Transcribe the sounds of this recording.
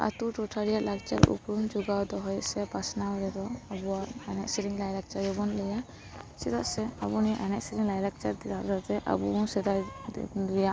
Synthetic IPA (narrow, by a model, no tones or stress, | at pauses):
a̰t̪uʈɔʈʰaɾijaɾlak̚t͡ʃa̰ɾṵpɾumd͡ʒuɡawd̪ɔɦɔjsɛpasnaɔɾɛd̪ɔabuwaɾanɛʔsiɾiŋlajlak̚t͡ʃaɾɛbɔnlɛja | sɛd̪aʔsɛabuniʔanɛʔsiɾiŋlajlak̚t͡ʃad̪iaʔɾat̪ɛʔa̰busɛd̪a | ɾɛjaʔ